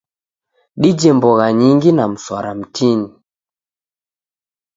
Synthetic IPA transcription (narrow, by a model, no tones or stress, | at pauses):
ɗid͡ʒɛmbɔɣaɲiŋɡinam̩swa̰ɾam̩tʰini